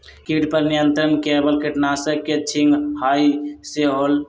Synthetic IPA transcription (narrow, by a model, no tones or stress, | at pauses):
kiʈpəɾnijənt̪ɾənkebəlkeʈnasəkːet͡ʃʰiŋɡhajseɦol